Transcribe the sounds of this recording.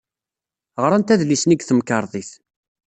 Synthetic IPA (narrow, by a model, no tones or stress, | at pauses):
ʁɾˤænt̪æðlisniɡθəmkəɾˤðˤiθ